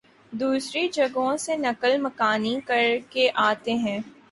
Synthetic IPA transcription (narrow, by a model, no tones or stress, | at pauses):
d̪uːsɾid͡ʒɐɡõsenɐkəlmɐkaːnikɐɾkeʔaːt̪eɦɛ̃ː